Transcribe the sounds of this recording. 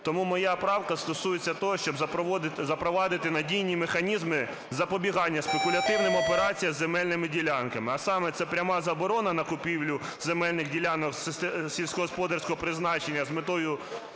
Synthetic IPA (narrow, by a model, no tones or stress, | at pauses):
t̪ɔmumɔjapɾɑwkɐst̪ɔsujet͡sʲːɐt̪ɔɦɔʃt͡ʃɔbzɐpɔzɐpɾɔʋɑd̪ɪt̪ɪnɐdʲijnʲimexɐnʲizmɪ | zɐpɔbʲiɦɑnʲːɐspekʊlʲɐt̪ɪwnɪmɔpeɾɑt͡sʲijɐzːemɛlʲnɪmɪdʲilʲɑnkɐmɪɐsɑmɛt̪sɛpɾʲɐmɑzɐbɔɾɔnɐnɐkʊpʲiwlʲʊzemɛlʲnɪxdʲilʲanɔksɪst̪ɛsʲilʲsʲkɔɦɔspɔd̪ɐrsʲkɔɦɔpɾɪznɑt͡ʃenʲːɐzmɪt̪ɔjʊ